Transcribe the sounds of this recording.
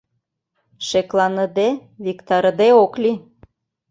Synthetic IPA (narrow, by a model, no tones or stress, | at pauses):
ʃeklɑnə̆d̪eβikt̪ɑɾəd̪eokli